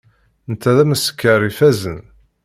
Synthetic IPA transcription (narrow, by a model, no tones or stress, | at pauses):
nt̪ːæðæməsə̥kːəɾˤifæzən